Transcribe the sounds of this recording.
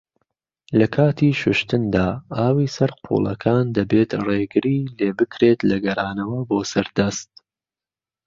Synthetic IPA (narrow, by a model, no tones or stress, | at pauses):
lɐkʰaːt̪ʰiːʃʊʃt̪ɨnd̪aːaːwiːsɐɾqʰṵːlˠɐkʰaːnd̪ɐbeːt̪reːɡɨɾiːleːbɨkʰɾeːt̪lɐɡɐɾaːnɐwɐboːsɐɾd̪ɐst̪̚